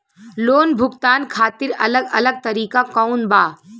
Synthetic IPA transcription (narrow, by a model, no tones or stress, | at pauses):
loːnbʱʊɡt̪aːnkʰaːt̪ɪɾɐ̰ləɡɐləɡ̚t̪ɐɾiːkakaʊnbaː